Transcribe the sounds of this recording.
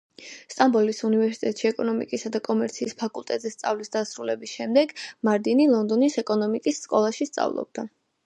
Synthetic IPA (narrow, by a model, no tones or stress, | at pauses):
st̪ʼambɔlisunivɛɾsit̪ʼɛt̪ʼʃiɛkʼɔnɔmḭkʼisad̪akʼɔmɛɾt̪sʰiːspʰakʼulˠt̪ʼɛt̪ʼzɛst̪sʼa̰vlisd̪̥asɾulɛbisʃɛmd̪ɛɡmaɾd̪inilˠɔnd̪ɔnisɛkʼɔnɔmikʼisːkʼɔlˠaʃist̪sʼa̰vlˠɔ̰b̚d̪a